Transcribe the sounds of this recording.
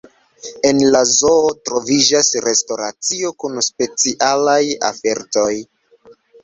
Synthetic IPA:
e̞nlazoːtɾo̞vid͡ʒasɾe̞sto̞ɾat͡sio̞kunspe̞t͡siʔalaja̰fe̞ɾto̞j

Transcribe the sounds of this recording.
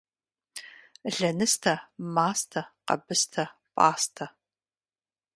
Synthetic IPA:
ɮɐnɨstʰɐmaːstʰɐqɐ̰bɨstʰɐ | pʼa̰ːstʰɐ

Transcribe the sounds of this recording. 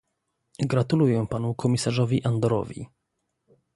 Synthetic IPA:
ɡɾat̪ulujɛpanukʰɔmʲisaʐɔvʲiʔand̪ɔɾɔ̰vʲḭ

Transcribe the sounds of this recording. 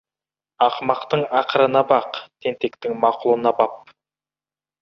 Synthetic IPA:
ɑqmɑqt̪əɴɑqəɾənɑbɑqt̪ʰe̞nt̪e̞kt̪ɪŋmɑqʊlˠənɑbɑp̚

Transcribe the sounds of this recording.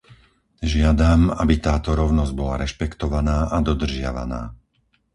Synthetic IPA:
ʒɪad̪ama̰bit̪aːt̪ɔɾɔʊnɔzɟbɔlaɾɛʃpɛkt̪ɔʋanaːʔad̪ɔd̪r̩ʒɪa̰ʋa̰na̰ː

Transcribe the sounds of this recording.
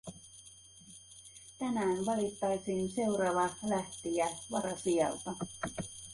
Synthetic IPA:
t̪ænæːnʋɑlit̪ːɑjsiːnse̞wɾɑːʋɑlæht̪iæʋɑɾɑsiɑ̰lt̪ɑ

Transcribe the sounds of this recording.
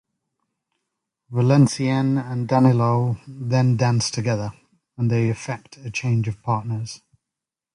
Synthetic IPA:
vəlɛ̃nsiɛ̃nə̃ndanɪloʊðə̃ndãnstʰəɡɛðə | ə̃nðeɪəfɛk̚tʰət͡ʃʰẽɪ̃nd͡ʒəv̥pʰɑˑʔnəz̥

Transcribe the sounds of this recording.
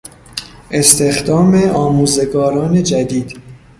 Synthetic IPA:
ʔe̞st̪ʰe̞xd̪ɒːme̞ɒːmuːze̞ɡɒːɾɒːne̞d͡ʒæd̪iːd̪̥

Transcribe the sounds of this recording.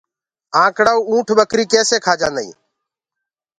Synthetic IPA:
ãːkɽaːuːũːʈʰɓəkɾiːkeːseːkʰaːd͡ʒãːnəḭː

